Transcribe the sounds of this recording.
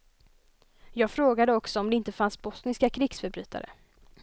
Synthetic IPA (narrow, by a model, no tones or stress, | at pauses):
jɑːɡfɾoːɡad̪əɔksɔɔmd̪ɛɪnt̪əfansbɔsnɪskakʰɾɪɡsfœɾbɾy̟ːt̪ʰa̰ɾə̰